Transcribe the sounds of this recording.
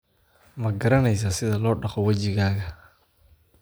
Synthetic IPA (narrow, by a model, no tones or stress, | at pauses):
mɐɡɐɾɐnɛjs̬asɪðɐlɔːɖɑχɔwɐd͡ʒɪɣaːɣɐ